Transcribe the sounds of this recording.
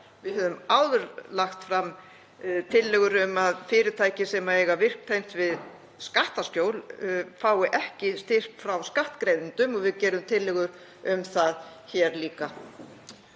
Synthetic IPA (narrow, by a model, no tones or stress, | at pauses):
vɪðhœːðʏmaːwðʏɾlaxt̪fɾam | t̪ʰɪlːɛɣʏɾʏmaðfɪːɾɪt̪ʰaːjcɪsɛmaɛjɣavɪr̥k̚t̪ʰejm̥t̪vɪð | skaht̪asc̪joːwlfaːwɪʔɛhcɪst̪ɪr̥pfɾawskaht̪kɾejnɪnt̪ʏmɔvɪðcɛːɾʏmt̪ʰɪlːɛɣʏɾ | ʏmθaðçɛːɾliːka